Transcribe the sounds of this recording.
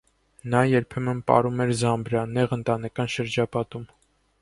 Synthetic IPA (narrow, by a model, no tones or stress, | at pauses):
nɑjɛɾpʰɛmənpɑ̰ɾumɛɾzɑmbɾɑnːɛʁənt̪ɑnɛkɑnʃəɾd͡ʒɑpɑt̪um